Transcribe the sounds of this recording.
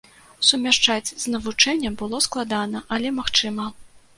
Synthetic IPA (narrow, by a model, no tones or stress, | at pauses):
sumʲaʂt͡ʂad͡zʲznɐvut͡ʂɛnʲːɛmbɨlˠɔsklˠad̪anɐʔɐlʲɛmaxt͡ʂɨmɐ